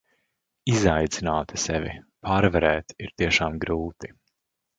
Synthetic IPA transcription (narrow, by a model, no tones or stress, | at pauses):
izajt̪zinaːt̪i̥sɛvʲḭpʰaɾvɛɾɛːt̪iɾt̪iɛʃaːmɡɾuːt̪i̥